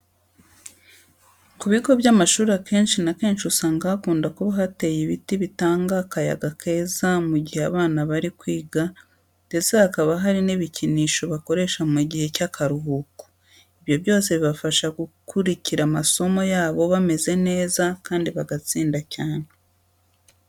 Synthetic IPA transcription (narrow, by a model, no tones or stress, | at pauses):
kuβiɡo̞βjaːmaʃuːɾake̞ːnʃinake̞ːnʃusaːŋɡaakuːndakuβaɦate̞jiβitiβitaːŋɡakaja̰ɡakʰe̞ːzamuɟihea̰βaːnaβaɾikwiːɡa | d̥e̞t͡seakaβaɦaɾiniβiciniːʃo̞βako̞ɾe̞ʃamuɟihe̞cakaɾuɦuku̥ | iβjo̞βjo̞ːseβiβafaʃaɡukuɾiciɾamaso̞mo̞jaːβo̞βame̞ze̞ne̞ːzakaːndiβaɡat͡siːndacaːn̥e